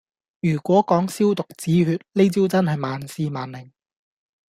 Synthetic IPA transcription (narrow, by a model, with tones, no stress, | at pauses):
jyː˨˩kʷɔː˨˥kɔː˨˥ŋsiː˥wt̪ʊ˨k̚t͡siː˨˥ɦyː˧˥t̚le˥t͡siː˥wt͡sɐ˥nhɐ˨jmaː˨nsiː˧maː˨nlɪ˨˩ŋ